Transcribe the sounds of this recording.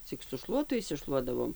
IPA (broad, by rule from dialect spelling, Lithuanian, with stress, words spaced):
ˈt͡sʲɪk sʊ ˈʃlˠuɔtʊ ɪʃʲsʲɪˈʃlˠuɔdɐʋoːm